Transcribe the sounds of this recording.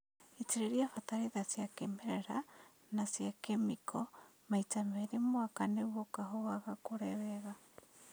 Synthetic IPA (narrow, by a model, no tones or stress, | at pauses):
eteɾeɾiafataɾeðasjakemɛɾɛɾa | nasjakemikʰɔ | maitamɛɾemwakanewɔkaɦɔɣaɣakoɾɛβɛɣa